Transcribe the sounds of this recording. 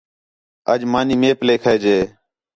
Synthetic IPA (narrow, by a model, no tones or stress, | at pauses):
əd͡ʒmaːniːmeːpleːkʰəːd͡ʒeː